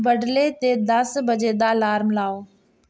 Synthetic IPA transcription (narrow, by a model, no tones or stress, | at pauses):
bɐɖlet̪ed̪ɐsbɐd͡ʑed̪alaːɾmɪlaːoː